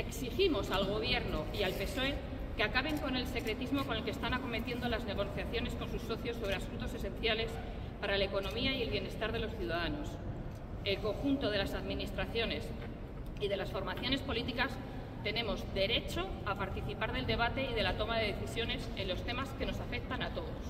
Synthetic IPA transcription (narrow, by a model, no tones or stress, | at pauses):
eksiximo̞salɣ̞o̞β̞je̞ɾno̞ialpe̞so̞e̞ | keakaβe̞ŋko̞ne̞lse̞kɾe̞t̪izmo̞ko̞nelkest̪anako̞me̞t̪je̞nd̪o̞lazne̞ɣ̞o̞θjaθjo̞ne̞sko̞nsusːo̞θjo̞sːo̞β̞ɾe̞asunt̪o̞se̞sẽ̞n̟θjale̞s | paɾalaeko̞nõ̞miaie̞lβje̞ne̞st̪aɾð̞e̞lo̞sθjuðaðano̞s | e̞lko̞ŋxunt̪o̞ð̞e̞lasaðminist̪ɾaθjo̞ne̞s | iðe̞lasfo̞ɾmaθjo̞ne̞spo̞lit̪ikas | t̪e̞ne̞mo̞zde̞ɾe̞t͡ʃo̞apaɾt̪iθipaɾð̞e̞ld̪e̞β̞at̪e̞iðe̞lat̪o̞maðe̞ðeθisjo̞ne̞se̞nlo̞st̪e̞maske̞no̞safe̞k̚t̪anat̪o̞ðo̞s